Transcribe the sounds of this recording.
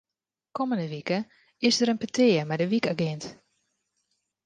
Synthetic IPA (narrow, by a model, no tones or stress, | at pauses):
koməndəʋikə | ɪsdəɾənpətʰɪːəmɛdəʋikaɡɪnt